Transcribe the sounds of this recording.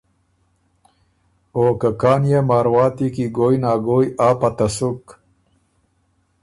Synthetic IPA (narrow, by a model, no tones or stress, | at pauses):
oːkɐkaːnjemaːɾwaːt̪ikiɡoːjnaːɡoːjaːpɐt̪ɐsuk